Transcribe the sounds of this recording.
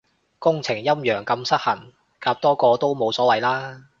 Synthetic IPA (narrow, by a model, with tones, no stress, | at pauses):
kʊ˥ŋt͡sʰɪ˨˩ŋjɐ˥mjœː˨˩ŋkɐ˧msɐ˥t̚hɐ˨˩n | kaː˧p̚t̪ɔː˥kɔː˧t̪o˥wmo˨˧wsɔː˨˥wɐ˨jlaː˥